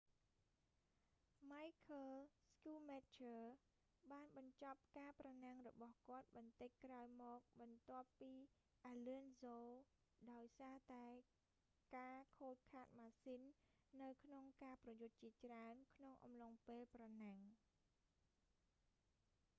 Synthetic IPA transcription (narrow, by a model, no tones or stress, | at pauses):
majkʰəlskuːmɛt̪t͡ɕʰəː | ɓaːnɓɑɲt͡ɕɑp̚kaːprɑnaŋrɔɓɑhkŏət̪̚ɓɑnt̪ɨc̚kraɔjmɔːk̚ɓɑnt̪ŏəpːiː | ʔaːliənzoː | ɗaɔjsaːt̪aɛ | kaːkʰoːt̚kʰaːt̪̚maːsinːɨwkʰnoŋkaːprɑjʊt̪̚t͡ɕiət͡ɕraənkʰnoŋʔɑ̰mloŋpeːlprɑnaŋ